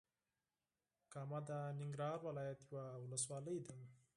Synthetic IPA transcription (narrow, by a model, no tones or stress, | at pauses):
kamad̪anɪŋɡɾɑːɾwalɑːjat̪juwawʊləswɑːləjd̪əŋ